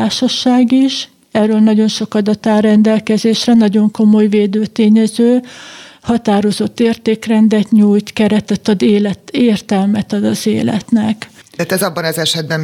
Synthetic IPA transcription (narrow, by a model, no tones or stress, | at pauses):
aːʃɒʃaːɡiʃ | ɛrøːlnɒɟo̞nʃo̞kɒd̪ɒt̪aːrɛnd̪ɛlkɛzeːʃrɛnɒɟo̞ŋko̞mo̞jveːd̪øːt̪eːɲɛzøːhɒt̪aːɾo̞zo̞t̪ːeːrt̪eːkrɛnd̪ɛt̪ɲuːjt̪kɛɾɛt̪ɛt̪ːɒd̪eːlɛt̪eːrt̪ɛlmɛt̪ɒd̪ɒzeːlɛ̰t̪nɛkːt̪ɛzɒbːɒnɒzɛʃɛd̪̚bɛm